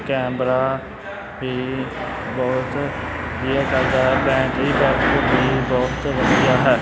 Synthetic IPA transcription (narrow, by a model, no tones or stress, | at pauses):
kɛːmɾa | bʱiː | bɔɦʊt̪iekəɾd̪aːɦɛːbɛ̃ːkibɛ̃ːkbʱibɔːʊt̪ʋəsijaɦɛː